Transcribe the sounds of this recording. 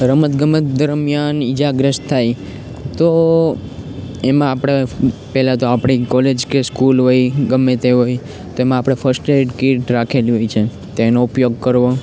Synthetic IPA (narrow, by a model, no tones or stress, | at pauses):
ɾəmət̪ɡəmət̪d̪əɾmjanid͡ʒaɡɾəʃt̪ʰːaj | t̪o | emãːpɽ̃epɛɦlãt̪oapɽ̃ikɔled͡ʒkeskulɦojɡəmːet̪eɦoj | t̪oemãapɽ̃efʰəɾsʈeʈkiʈɾakʰeliɦojt͡ʃʰe | t̪oːnoupjoɡ̚kəɾʋo